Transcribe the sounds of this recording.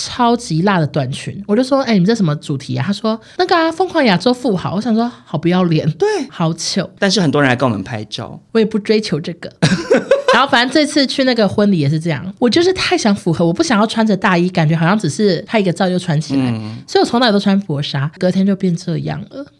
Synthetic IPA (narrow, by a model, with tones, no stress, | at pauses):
ʈ͡ʂʰɑ˥ʊt͡ɕi˧˥la˥˩d̪ə˩t̪wa˥˨˩nt͡ɕʰy̰˧˥nwt͡ɕjo˥˩ʊʂwɔ˥e˥˩n˨mə˧ʈ͡ʂʂə˧˥mə˧t͡su˨˩t̪ʰi˧˥a̰˨t̪ʰa˥ʂwɔ˥na˥˩ɡə˨˩a˨˩fo˥ŋkʰwɑ˥˩ŋja˨˩t͡swɔ˥˧fu˥˩xɑ̰˨˦wɔ˧˥ɕjɑ˨˩ŋʂwɔ˥xɑ˨˩ʊpu˧˥jɑ˥˩ʊljɛ˧˥nt̪we˥˩ɪxɑ˧˥ʊt͡ɕʰjo˨˩˦ʊt̪a˥˧nʂ̬ɻ̩˥˩xə˨nt̪wɔ˥ɻn˥˧˦wɔ̰˨mə̰˧˦npʰa˧˥ɪt͡ɕjɑ̰˥˧ʊwɔ˧˥jɛ˨˩pu˥˩ʈ͡ʂwe˥ɪt͡ɕʰjo˧˥ʊʈ͡ʂɤ˥˩ɡ̥ə̰˩ɻa˧˥xo˥˩fa˨˩ə˥˧nʈ͡ʂɤ˥˧ɪt͡sʰɹ̩˥˧t͡ɕʰy˥˧na˥˩ɡə˨˩xwə˦˥nli˨˥jɛ˨˩ʂ̬ɻ̩˥˧ʈ͡ʂɤ˥˧jɑ̰˥˩ŋwɔ˨˩t͡ɕjo˥˧ʊʂɻ̩˥˩t̪ʰa˥˩ɪɕjɑ˧˥ŋfu˧˥xɤ˧˥wɔ˨˩pu˥˩jɑ˨˩ŋjɑ˥˩ʊwa˥nt͡st̪a˥˧i˥˩ka˨˩nt͡ɕɥɛ˧˥˨ɕjɑ˥˩ŋʈ͡ʂɻ̩˨˩ʂɻ̩˥˧˩t̪ʰa˥i˧˥ɡə˧t͡sɑ˥˧ʊjo˥˩ʊʈ͡ʂʰwa˧˥nt͡ɕʰi˨la̰˧ɪswɔ˧˥i˨˩˧ŋt̪a˥˧˩t̪o˥a˥npwɔ˧˥ʂa˥kɤ˧˥t̪ʰjɛ˥nt͡ɕjo˥˧ʊpjɛ˥˧n˧ʈ͡ʂɤ˥˧jɑ̰˥˩ŋlə˩